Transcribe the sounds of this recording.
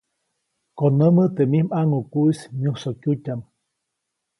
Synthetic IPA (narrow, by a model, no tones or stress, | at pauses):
konəmət̪emihmaŋukuismjũsokjutʲam